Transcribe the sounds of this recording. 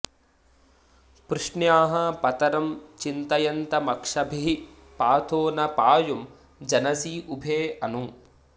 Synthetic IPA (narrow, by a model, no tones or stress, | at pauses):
pɾuʂɳjaːɦɐpɐt̪ɐɾɐmt͡ʃint̪ɐjɐnt̪ɐmɐkʂɐbʱiɦi | paːt̪ʰoːnɐpaːjum | d͡ʒɐnɐsiʔubʱeːɐnu